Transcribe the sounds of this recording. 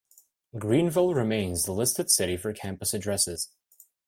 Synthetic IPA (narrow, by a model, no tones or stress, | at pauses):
ɡɹĩnvɪlˠɹɨmẽɪ̃nzðəlɪstɨd̥sɪɾifə˞kʰæ̃mpəsɨdɹɛsɪz̥